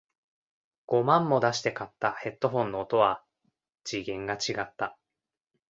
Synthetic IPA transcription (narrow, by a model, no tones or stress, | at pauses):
ɡ̥o̞mãmːo̞d̪aɕi̥t̪e̞kat̪ːahe̞t̪ːoɦõ̞nːo̞ːt̪o̞βa | d͡ʑiɡẽ̞ŋɡat͡ɕiɡat̪ːa